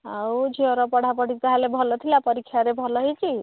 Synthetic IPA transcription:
awd͡ʒʱiɔɾɔpʌɽ̤ʱapʌɽ̤it̪aɦalebʱʌlɔt̪ʰilapʌɾikʰːjaɾebʱʌlɔɦit͡ʃi

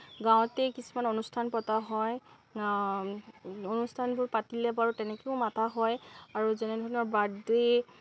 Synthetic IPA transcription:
ɡãw̃tɛkisumanonustʰanpɔtaɦɔj | onustʰanbʊɹpatilɛbaɹutɛnɛkeʊmatʰaɦɔjaɹuzɛnɛdʱɔɹnɔɹbade

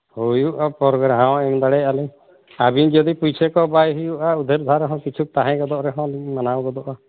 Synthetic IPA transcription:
hujuʔapɔɾɔɡɾaɦãwɛmd̪aɽɛjʔalɛ | abind͡ʒɔd̪ipujsʰɛkɔbajɦujuʔaud̪ʱeɾd̪ʱaɾɛɦɔ̃kit͡ʃʰuk̚t̪aɦɛ̃ɡɔd̪ɔʔɾɛɦɔ̃limanawɡɔd̪ɔʔa

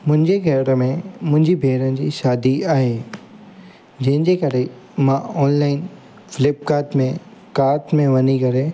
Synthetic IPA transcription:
mʊ̃ɦɪ̃ɲd͡ʑexɛːɾəmẽmʊ̃ɦɪ̃ɲd͡ʑibʱeːɾənɪ̆d͡ʑiːʃaːd̪iaːɦeː | d͡ʑɐ̃ɦɪ̃nd͡ʑekɐɾe | mãɔːnlaːɪn | fɪlɪp̚kaːʈmẽkaːɾʈmẽʋɐɲikɐɾe

